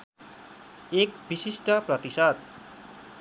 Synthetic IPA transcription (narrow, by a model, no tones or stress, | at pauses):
ekbisisʈʌprʌt̪isʌt̪̚